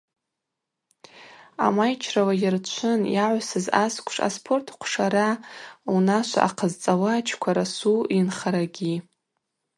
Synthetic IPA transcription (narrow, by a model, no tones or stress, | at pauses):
a̰majt͡ʃʰrawajɪrt͡ʃʷʰɨnjaʕʷsɨzaskʷʰʂa̰spʰo̞rtʰqʷʰʂaɾaunaʃʷa̰ʔaqʰəzt͡sʼawat͡ʃʰkʷʰaɾasuinχaɾaɡʲi